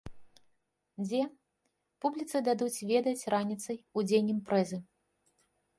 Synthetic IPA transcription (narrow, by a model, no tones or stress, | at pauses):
d͡zʲɛ | publʲit̪sɨd̪ad̪ut͡sʲvʲɛd̪ɐt͡sʲranʲit̪sɐjud͡zʲenʲːimpɾɛzɨ